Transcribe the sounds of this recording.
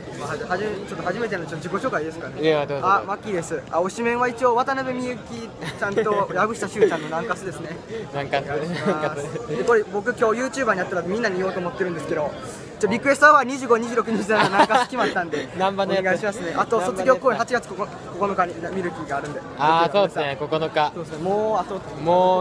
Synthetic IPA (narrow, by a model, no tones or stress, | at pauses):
mahaʑiet͡ɕot̪ːohaʑime̞t̪e̞nant͡ɕot̪ːod͡ʑikoɕo̞ːkaid̪e̞sɨ̥kaneamakʲːid̪e̞sɨao̞ɕimẽɰ̃βait͡ɕioβat̪anabe̞mʲiɯ̟kʲit͡ɕãnt̪o̞jabɯ̟ɕi̥t̪aɕɨːkãnːo̞nãŋkasɨd̪e̞sɨne̞ | ɡaimad̪ekoɾibo̞k̬ɯ̟kʲo̞ːjɯːt͡ɕɨːbaːɲ̟iat̪ːaɾamʲĩnːaɲ̟io̞ːt̪oːmot̪ːe̞ɾɯ̟̃nd̪eɨ̥ke̞d̪o̞ | t͡ɕoɾʲikɯ̟e̞sɨt̪oaβaɲ̟iʑɨːɡo̞ɲ̟iʑɨːɾo̞k̬ɯ̟ɲ̟id͡ʑzãnonãkasɨ̥kʲimat̪ːãnd̪e̞ambaneɡaiɕimasɨneʔat̪o̞so̞t͡sɨɡʲo̞ːko̞ːɲihat͡ɕiɡat͡sɨ̥ko | ko̞ko̞no̞kaɲimʲiɾɯ̟kʲiɡaːɾɯ̟̃nd̪eaoːdekokonokasoːesemoːat̪o | moː